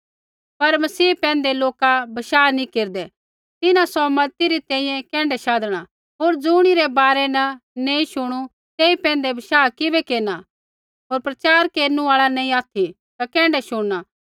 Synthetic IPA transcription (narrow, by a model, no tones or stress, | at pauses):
pɐɾmɐsiːpɛ̃ːn̆d̪eloːkabɐʃaːnĩkeːɾd̪ɛ | t̪ɪnãsɔmɐt̪iɾit̪ɛ̃ːĩjɛ̃kɛ̃ːɳɖɛʃaːd̪ɽ̃a | ɦoːɾd͡zuːɽ̃iɾɛbaːɾɛnɐneĩʃʊɽ̃u | t̪eːipɛ̃ːn̆d̪ebɐʃaːkɪbɛkeːna | ɦoːɾpɾɐt͡ʃaːɾkeːɾnũaːɭanẽːĩaːt̪ʰi | t̪akɛ̃ːɳɖɛʃʊɽna